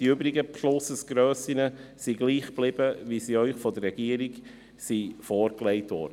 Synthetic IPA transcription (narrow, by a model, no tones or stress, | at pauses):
d̥iʏbɾiɡəpʃlʊsəsɡ̥ɾøːsɪnəsiɡliːχb̥lɪb̥əʋisiœʏχfɔdərːɛɡ̥iəɾiɡ | sifɔːɾkleɪtʋɔ̰ɾdə